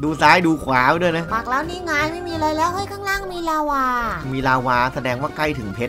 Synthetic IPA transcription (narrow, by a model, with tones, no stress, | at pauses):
duː˧saː˦˥jduː˧kʰwaː˩˦wdu˥˩jna˦˥paː˨˩k̚lɛː˦˥wniː˥˩ŋaː˧jma˥˩jmiː˧lɤː˧jlɛː˦˥wha˦˥˩jkʰaː˥˩ŋlaː˥˩ŋmiː˧laː˧waː˧miː˧laː˧waː˧sa˧dɛː˧ŋwaː˥˩kla˥˩jt̪ʰɯ˩˦ŋpʰe˦˥t̚